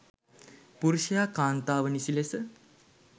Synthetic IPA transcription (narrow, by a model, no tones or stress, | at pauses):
puɾuʃɐjaːkaːnt̪aːʋənisilesə